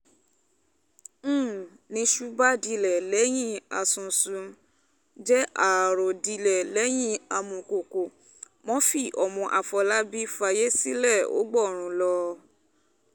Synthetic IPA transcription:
nĩ˨˦ʃu˦ba˦di˧lɛ˨lɛ˨˦j̃ĩ˦a˧˨sũ˨su˨˦ | d͡ʒɛ˦ʔa˨ɾo˨di˧lɛ˨lɛ˨˦j̃ĩ˦a˧mũ˨ko˨ko˨ | mɔ̃˦fi˦˨ʔɔ˨mɔ̃˧ʔa˨fɔ˧la˦bi˦fa˧je˦si˦lɛ˦˨o̰˨˦ɡ͡bɔ˦˨ɾ̃ũ˨˧lɔ˧

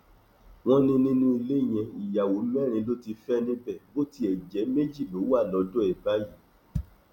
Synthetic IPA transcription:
w̃ɔ̃˦nĩ˦nĩ˦nũ˦i˧le˦˨j̃ɛ̃˧i˨ja˨wo˨˦mɛ˦˨ɾ̃ĩ˧lo˦ti˧fɛ˦nĩ˦bɛ˦˨bo˦ti˦ɛ˨d͡ʒɛ˨˦me˦d͡ʒi˦˨lo˨˦wa˦˨lɔ˨˧dɔ˦ɛ˨ba˦ji˨

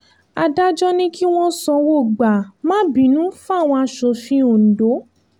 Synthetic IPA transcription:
a˧da˦d͡ʒɔ˦nĩ˦ki˦w̃ɔ̃˦sɔ̃˧wo˦˨ɡ͡ba˨mã˦bĩ˨˦nũ˨˦fw̃ɔ̃˧a˧ʃo˧fĩ˧˦o˨n̩˨do˨˦

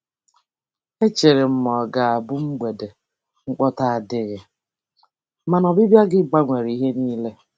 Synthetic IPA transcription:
e˦t͡ʃe˨ɾe˨m̩˦mɔ˨ɡa˨a˨bʊ˦ŋ͡m̩˦ɡ͡be˨de˨ | ŋ͡m̩˦k͡pɔ˦ta˦a˨dɪ˦ɣɪ˨ | ma˨nɔ˨bi˦bja˦ɡɪ˦ɡ͡ba˦ŋʷe˨ɾi˨i˦ɦe˦niː˦le˦

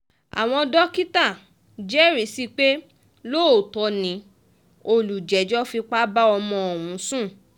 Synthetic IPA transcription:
a̰˨w̃ɔ̃˧dɔ˦ki˦ta˦˨ | d͡ʒɛ˦ɾi˨si˦k͡pe˦ | lo˦o˨tɔ˧nĩ˨˦ | o˧lu˨d͡ʒɛ˨d͡ʒɔ˦fi˧k͡pa˦ba˦ɔ˧mɔ̃˧ɔ˨wũ˨˦sũ˦˨

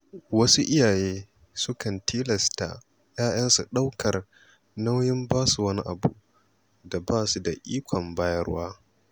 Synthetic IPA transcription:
wɐ˦su˦ʔɪ˦jaː˨jeː˦ | sʊ˦kɐ˨ntʰiː˦lɐ˨sta̰˨ | jaː˦j̰ɐ˦nsu˨ɗa˦wkʰɐ˨r | na˦wjɪ˦mbaː˦su˨wɐ˦ni˦ʔa˨bṵ˨ʔ | da˨baː˦˨su˨da˨ʔiː˦kʷʰɔ˨mbaː˦jɐ˦rwaː˦

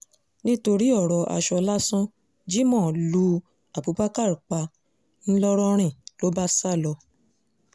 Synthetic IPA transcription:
nĩ˦to˧ɾi˦ɔ˦˨ɾɔ˨ʔa̰˧˨ʃɔ˧la˦sɔ̃˦ | d͡ʒi˦mɔ̃˦˨lu˧ | a˨bu˨˦pa˦ka˦˨ɾu˨k͡pa˧ | n̩˦lɔ˦ɾɔ˦ɾ̃ĩ˦˨lo˨˦ba˦sa˦˨lɔ˧

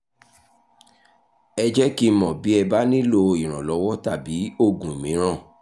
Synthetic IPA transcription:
ɛ˧d͡ʒɛ˦ki˦mɔ̃˨bi˨˦ɛ˧ba˦nĩ˦lo˧i˨ɾ̃ã˨lɔ˨˦wɔ˦ta˦˨bi˨˦o˦˨ɡũ˨i˨mĩ˨˦ɾ̃ã˦˨

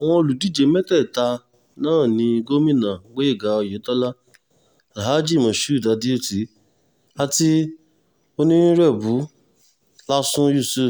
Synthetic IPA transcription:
w̃ɔ̃˦˧o˧lu˨di˦˨d͡ʒe˨˦mɛ˦tɛ˦˨ta˧ | nãː˦˨nĩ˧ɡo˦mĩ˦˨nã˨˦ɡ͡be˦i˦˨ɡa˨˦ɔ˧je˨˦tɔ˦la˦ | a˨ɦa˨˦d͡ʒi˦˨mɔ̃˨ʃu˦˨da˧di˦o˦˨ti˨˦ | a˧ti˦ | o˦nĩ˦ɾɛ˦˨bu˨˦ | la˦sũ˦ju˦˨su˦˨

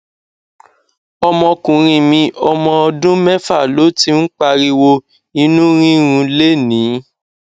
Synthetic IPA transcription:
ɔ˧mɔ̃˧kũ˨ɾ̃ĩ˧mĩ˧ɔ˧mɔ̃˧ɔ˧dũ˦mɛ˦fa˦˨lo˨˦ti˧˦n̩˦k͡pa˧ɾi˧wo˧ | ĩ˧nũ˦ɾĩ˦ɾ̃ũ˧le˦nĩː˨˦

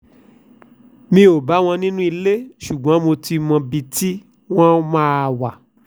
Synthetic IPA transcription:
mĩ˧o˨ba˨˦w̃ɔ̃˧nĩ˦nũ˦i˧le˦ʃu˨ɡã˨˦mo˧ti˧mɔ̃˧bi˧ti˦ | w̃ɔ̃˦mãː˦˧˨wa˨

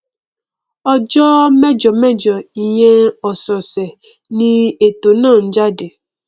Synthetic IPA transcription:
ɔ˦d͡ʒɔ˦mɛ˦d͡ʒɔ˨mɛ˦d͡ʒɔ˨i˨ɲe˦ɔ˨sɔ˨se˨ | nĩ˦e˨to˨nãː˦˨n̩˦d͡ʒa˦de˨

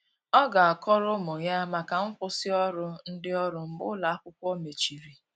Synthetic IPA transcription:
ɔ˦ɡa˨a˨kɔ˦ɾʊ˦mɔ˨ja˦ma˨ka˨ŋ̩˦kʷʊ˦sɪ˦ɔ˦ɾʊ˦n̩˦dɪ˦ɔ˦ɾʊ˨m̩˨bʊ̰˦la˨a˦kʷʊ˦kʷɔ˦me˨t͡ʃi˨ɾi˨

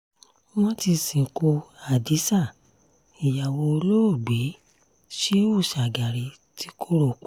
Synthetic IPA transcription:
w̃ɔ̃˦ti˧sĩ˨ko˧a˨di˨˦sa˦˨ | i˨ja˨wo˧o˧lo˦o˦˨ɡ͡bi˨˦ | ʃe˦u˦˨ʃa˨ɡa˨ɾi˨˦ | ti˧˦kʰo˦ɾo˦˨k͡p

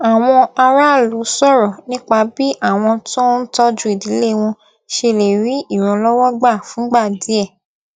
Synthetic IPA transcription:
a˨w̃ɔ̃˧a˧ɾa˦˨lu˨˦sɔ˦˨ɾɔ˨nĩ˦k͡pa˧bi˦ʔa˦˨w̃ɔ̃˧to˦n̩˦tɔ˦d͡ʒu˦i˦˨di˨˦le˦˨˧w̃ɔ̃˧ | ʃe˧le˨ɾi˨˦i˦˨ɾ̃ɔ̃˧lɔ˦wɔ˦ɡ͡ba˦˨fũ˨˦ɡ͡ba˦˨di˨˦ɛ˦˨

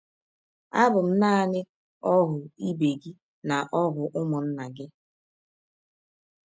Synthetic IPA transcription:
a˦bʊ˨m̩˦na˦a˨nɪ˦ | ɔ˦ɦʊ˨i˦be˨ɡi˦ | na˨ʔɔ˦ɦʊ˨ʔʊ˦mɔ˨n̩˦na˨ɡɪ˦

